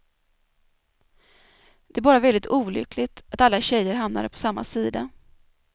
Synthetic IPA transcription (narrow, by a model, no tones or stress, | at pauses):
d̪̥ɛæbɑːɾavɛld̪ɪt̪uːlʏ̰klɪɡt̪at̪alːaɕɛjːəɾɦamna̰ɾpʰɔ̥samːa̰siːd̪a̰